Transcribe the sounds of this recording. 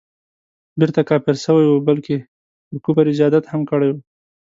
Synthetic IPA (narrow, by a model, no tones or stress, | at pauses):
beɾt̪akɑpɪɾsəwajwubalke | p̪əɾkupaɾɪd͡ʒɑd̪at̪hamkəɽajwu